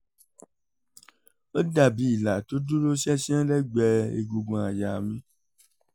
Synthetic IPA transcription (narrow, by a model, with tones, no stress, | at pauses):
o˦da˨bi˨˦i˨la˨to˨˦du˦ɾo˦ʃɛ˦ʃi˦ã˦lɛ˦ɡ͡bɛ˧ḛ˧ɡo˧ɡũ˧˨a˨ja˨mĩ˦